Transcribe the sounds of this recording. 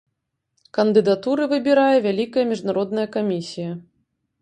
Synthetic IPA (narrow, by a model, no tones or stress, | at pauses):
kɐnd̪ɨd̪at̪uɾɨvɨbʲiɾajɛvʲalʲikɐjɐmʲiʐnaɾɔd̪̚nɐjɐkamʲisʲijɐ